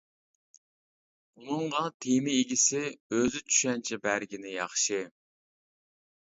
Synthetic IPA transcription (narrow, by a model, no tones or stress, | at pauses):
unɨŋʁɑt̪ʰemɪiɡʲisɪøzyt͡ʃ̪ʰy̥ʃɛnt͡ʃʰɛbæɾɡʲinɪjɑχʃɨ